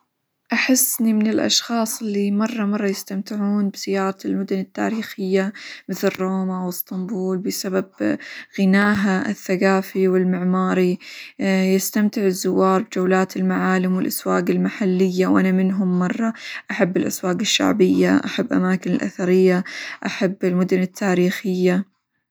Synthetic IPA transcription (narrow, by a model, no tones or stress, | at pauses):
ʔaħɪsːnimɪnɪlʔɑ̰ʃxɑːsˤɪlːimɑrˤːɑmɑrˤːɑjɪst̪amt̪ɪʕuːnbz̥ɪjːɑːɾˤɑlmʊd̪ʊnɪt̪ːa̰ːɾiːxɪjːamɪθlɪrːoːmawɪst̪ˤɑmbuːlbɪsababɣɪnaːɦaɪ̰θːaɡaːfiwɪlmɪʕmɑːɾi | jɪst̪amt̪ɪʕɪzːʊwːɑːɾˤbd͡ʒawlaːt̪ɪlmaʕaːlɪmwɪlʔaswaːɡɪlmaħalːɪjːawʔanamɪnɦʊmːɑrˤːɑʔaħabːɪlʔaswaːɡɪʃːa̰ʕbɪjːaʔaħabːʔa̰maːkɪnɪlʔa̰θaɾɪjːaʔaħabːɪlmʊd̪ʊnɪt̪ʰːaːɾiːxɪjːa